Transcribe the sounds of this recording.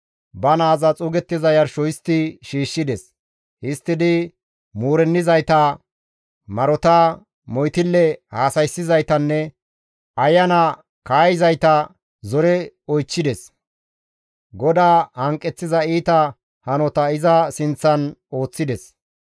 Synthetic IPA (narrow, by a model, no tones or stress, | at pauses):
bɐnaːzɐt͡sʼʊɡɛt̪ːɪzɐjɐɾʃɔjɪst̪ɪʃiːʃːɪd̪ɛs | hɪst̪ːɪd̪ɪ | muːɾɛnːɪzɐjt̪ɐ | mɐɾɔt̪ɐ | mɔjt̪ɪlːɛhaːsɐjsːɪzɐjt̪ɐnːɛ | ɐjːɐnɐ | kaːjɪzɐjt̪ɐ | zɔɾɛɔjt͡ʃːɪd̪ɛs | ɡɔd̪aːhɐŋkʼːɛt͡sːɪzɐiːt̪ɐ | hɐnɔt̪ɐɪzɐsɪnt͡sːɐno̞ːt͡sːɪd̪ɛs